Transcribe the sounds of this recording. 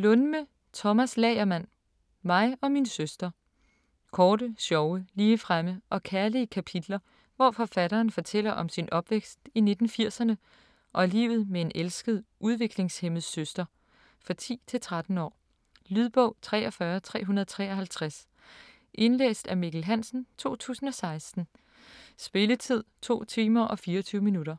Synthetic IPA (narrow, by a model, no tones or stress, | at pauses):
lɔnmə | t͡sʰɒ̽mæslɛɪɐmæn̰ | mɑ̈ɪɒ̽minsøsd̥ɐ | kʰɒːɾəsjɒʊəliːəfʁaməʔɒ̽kʰæɐliəkʰæpʰid̥lɐ | ʋɒfɒ̽fæɾɐːnfɒ̽t͡sʰel̰ɐʔɒ̽msinɒ̽b̥ʋeɡ̥sd̥ine̝d̥n̩fiɐ̰sɐnə | ʔɒ̽ælḭːʊð̞̩ˠmee̝nelsɡ̥əðˠʔuðˠʋe̝ɡ̥le̝ŋshemð̩ˠsøsd̥ɐ | fɑ̈t͡sʰḭːt͡sʰe̝lt͡sʰʁad̥n̩ɒ̰ː | lyð̞ˠb̥ɔʊ̰t͡sʰʁɛ̰ːɒ̽fɶːɐt͡sʰʁɛ̰ːɦunɐðˠt͡sʰʁɛ̰ːɒ̽ɦælt͡sʰʁas | ʔe̝nlḛːsd̥æmiɡ̥l̩ɦæn̰sn̩t͡sʰo̝̰ːt͡sʰṵːsn̩ɒ̽sɑ̈ɪsd̥n̩ | sb̥e̝lət͡sʰið̞̰ˠt͡sʰo̝̰ːt͡sʰiːmɐʔɒ̽fiːɐɒt͡sʰyːʊəminuɾɐ